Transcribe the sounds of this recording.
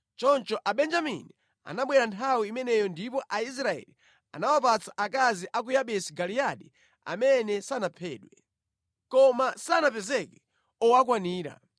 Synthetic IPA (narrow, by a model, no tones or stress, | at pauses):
t͡ʃɔnt͡ʃɔʔaɓɛnd͡ʒamḭni | a̰naɓwɛɾantʰawiːmɛnɛjɔndipɔʔais̬ɾaɛ̰li | a̰nawapat͡saʔak̬aziʔak̬ujaɓɛsiɡalijaɗi | a̰mɛnɛsanapʰɛːɗwɛ | kɔmasanapɛzɛkɛ | ɔwak̬waniːɾa̰